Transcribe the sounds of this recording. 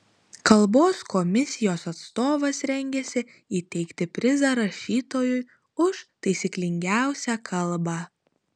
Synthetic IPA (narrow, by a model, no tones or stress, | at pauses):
kɐlˠboːskɔmʲɪsʲɪjoːsɐt̪st̪oːʋɐsɾʲɛŋʲɡʲɛsʲɪ | iːt̪ʲɛɪkt̪ʲɪpʲɾʲɪzɐɾɐʃʲiːt̪oːjʊj | ʊʃt̪ɐɪsʲiklʲɪŋʲɡʲæˑʊsʲækʰɐlˠˑbɑː